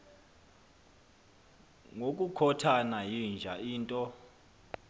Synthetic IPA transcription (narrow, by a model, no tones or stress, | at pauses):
ŋok̬ʼukʰɔtʰanajind͡ʒʱaiːntʼɔ